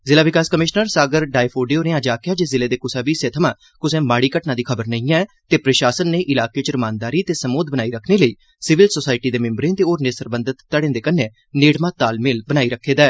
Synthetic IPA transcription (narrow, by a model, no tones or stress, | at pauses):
zɪlaːʋɪkaːskəmɪʃnəɾsaːɡəɾɖaːipʰoːɖijoːɾeːãːd͡ʒaːkjaːd͡ʒezɪleːd̪eːkʊsaːbiːsẽːt̪ʰəmãː | kʊsẽːmaːɽiːkəʈnaːd̪iːkʰəbəɾnəĩːãɛːt̪eːpɾəʃaːsənːeːʔɪlaːkeːt͡ʃəɾəmãːnd̪aːɾiːt̪eːsəmoːd̪̚bənaːiːɾəkʰneːləiː | sɪʋɪlsoːsaːɪʈiːd̪eːmɪ̃mbɾẽːt̪eːoːɾneːsəɾbənd̪ət̪ːəɽẽːnd̪eːkəneː | neːɽmãːt̪aːlmelbənaːiːɾəkʰːeːd̪aːɛː